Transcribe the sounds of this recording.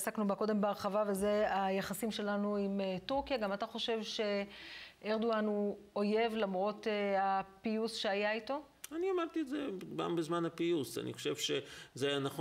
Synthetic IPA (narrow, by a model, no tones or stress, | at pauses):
saknubako̞de̞mbeaʁχavave̞ze̞ajaχasimʃe̞lanuimetuʁkjaɡamataχo̞ʃe̞vʃe̞ʔeʁd̪uanu | oje̞vlamʁo̞teapiusʃe̞ajaito̞ | aniamaʁt̪itzeɡa̰mbezmanapiusa̰nḭχoʃevʃezejanaχ